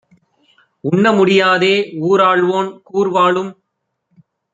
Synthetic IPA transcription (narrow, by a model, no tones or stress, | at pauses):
ʊɳːɐmʊɽɪjaːðeːuːɾaːɭʋoːnkuːɾʋaːɭɯm